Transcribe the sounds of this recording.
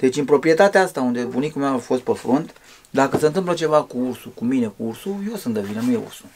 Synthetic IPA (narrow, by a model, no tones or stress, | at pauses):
d̪̥e̞t͡ʃʲɨnpɾo̞pɾije̞t̪at̪eaast̪aund̪e̞bunikumearfo̞st̪̚pefɾont̪ | d̪akəseɨnt̪ɨmplət͡ʃe̞vakuursukumine̞kuursujo̞sɨnt̪d̪əvinənujeṵrsu̥